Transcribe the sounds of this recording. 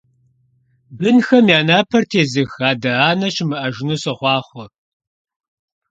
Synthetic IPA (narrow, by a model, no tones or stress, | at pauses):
bɨnxɐmjaːnaːpʰɐrtʰeːzɨxaːdɐaːnɐɕɪmɨʔɐʒɪnɨsɐχʷɑːχʷɔ